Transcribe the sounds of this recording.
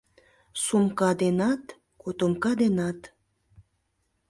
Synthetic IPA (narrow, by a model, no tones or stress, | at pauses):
sumkɑd̪enɑt̪ | kot̪omkɑd̪enɑt̪